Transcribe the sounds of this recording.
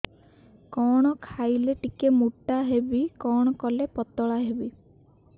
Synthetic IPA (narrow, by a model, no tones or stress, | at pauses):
kɔɽ̃ɔkʰajleʈikemuʈaɦebikɔɽ̃ɔkɔlepɔt̪ɔɭaɦebi